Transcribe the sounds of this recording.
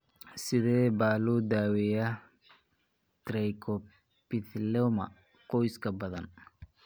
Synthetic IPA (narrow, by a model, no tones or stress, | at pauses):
sɪðɛːbaːluːd̪aːwɛjɐ | t̪ɾɛjkʰɔ | pɪθlɛmɐ̰ | qɔjskʰɐbɐðɐn